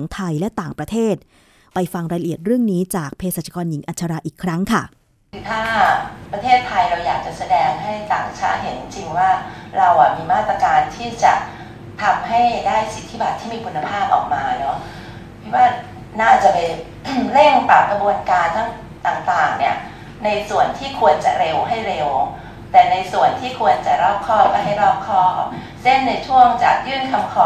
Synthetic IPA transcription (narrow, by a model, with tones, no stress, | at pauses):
ŋt̪ʰa˧jlɛ˦˥t̪aː˨˩ŋpɾa˧t̪ʰeː˥˩t̪̚ | pa˧jfa˧ŋɾaː˧ɾʔi˨˩ət̪̚ɾɯ˥˩əŋniː˦˥t͡ɕaː˨˩k̚pʰeː˧saː˨˩t͡ɕʰːa˧kɔː˧nji˩˦ŋʔaː˨˩t͡ɕʰa˧ɾaː˧ʔiː˨˩kʰɾa˦˥ŋkʰa˥˩ | kʰɯː˨˩˦t̪ʰaː˥˩pɾa˧t̪ʰeː˥˩t̪ʰːa˧jɾa˧wjaː˨˩k̚t͡ɕa˨˩sa˧dɛː˧ŋɦa˥˩jt̪a̰ː˨˩ŋ˨˩t͡ɕʰa̰ː˦˥ɦe˨˩˦n˧t͡ɕi˧ŋwaː˥˩ | ɾa˧wʔa˨˩miː˧maː˥˩t̪ɾa˧kaː˧nt̪ʰiː˥˩t͡ɕa˨˩ | t̪ʰa˧mɦa˥˩jdaː˥˩jsi˨˩t̪ʰːi˦˥ba˨˩t̪ʰːiː˥˩miː˧kʰu˧nːa˧pʰaː˥˩p̚ʔɔ̰ː˨˩k̚maː˧lɛː˦˥w | kʰa˦˥˩waː˥˩ | naː˥˩t͡ɕa˨˩pa˧j | le˥˩ŋpa˨˩p̚kɾa˧bu˧ənkaː˧nt̪ʰa˥˩ŋ | t̪aː˨˩ŋt̪aː˨˩ŋni˦˥˩ɐ | na˧jsu˨˩ənt̪ʰiː˥˩kʰu˧ənt͡ɕa˨˩ɾe˧wɦa˥˩jɾe˧w | t̪ɛː˨˩na˧jsu˨˩ənt̪ʰiː˥˩kʰu˧ənt͡ɕa˨˩ɾɔː˥˩p̚kʰɔː˥˩lpa˧jɦa˥˩jɾɔː˥˩p̚kʰɔː˥˩kʰa̰˦˥p̚ | se˥˩nna˧jt͡ɕʰu˥˩əŋt͡ɕa̰˨˩k̚jɯː˥˩nkʰa˧mkʰɔː˨˦˩